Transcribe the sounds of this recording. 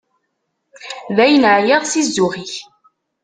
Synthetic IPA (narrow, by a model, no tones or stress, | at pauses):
ðæjənʕjæðˤsizːʊʁiç